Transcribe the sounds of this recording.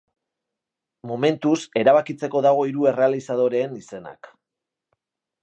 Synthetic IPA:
mo̞me̞nt̪use̞ɾaβ̞akit͡se̞ko̞ðaɣ̞o̞iɾue̞re̞alisað̞o̞ɾe̞ːnise̞na̰k

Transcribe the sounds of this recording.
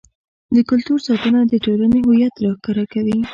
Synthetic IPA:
d̪əkʊlt̪uɾsɑt̪ənad̪əʈolaneɦojat̪ɾɑhkaɾakawi

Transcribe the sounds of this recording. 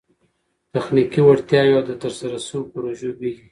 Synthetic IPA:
t̪axnikiwaɽt̪jɑjod̪ət̪əɾsaɾasəwopəɾoʒobiɡi

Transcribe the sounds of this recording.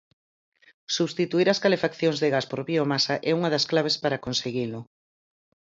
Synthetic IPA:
suβst̪it̪uiɾɐskalefakθjoŋzðeɣaspoɾβiomasɐʔɛuŋɐðɐsklaβ̞espaɾakonseɣilʊ

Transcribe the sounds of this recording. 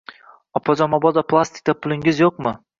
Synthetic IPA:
ɒpʰɒd͡ʒɒmɒbɒd̪apʰlˠast̪ʰɪ̥k̚ʲt̪apʰʊlˠɪŋɪzjoqmɪ

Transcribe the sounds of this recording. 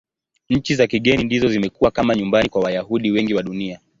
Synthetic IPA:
ɲ̩t͡ʃizakiɠɛnindizɔzimɛkuwakamaɲumbanikwawajahuɗiwɛŋɡiwaɗunia

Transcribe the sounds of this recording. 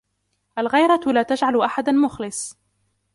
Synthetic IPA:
ʔalɣajɾˤɑlaːt̪aʒʕalʔaħad̪anmʊxlɪsˤ

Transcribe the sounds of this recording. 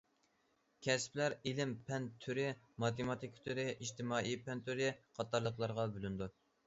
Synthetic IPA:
kʲʰɛsplæɾilɪmpʰɛnt̪ʰyɾɪ | mɑt̪emɑt̪ʰikʰt̪ʰyɾɪʔiʃt̪ɪmɑːipɛnt̪ʰyɾɪqʰɑt̪ːɑɾlˠəqlˠɑɾʁɑbølynd̪u

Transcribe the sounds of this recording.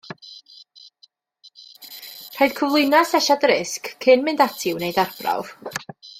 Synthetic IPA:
r̥aɨðkʰəvlˠʊjnasɛʃadrɪskʰːɨnmɪndatʰɪwnejdarb̥ra̰v̥

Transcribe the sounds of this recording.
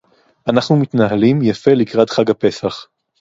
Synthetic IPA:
ʔanaχnumit̪naɦalimjafe̞likʁadχaɡape̞saχ

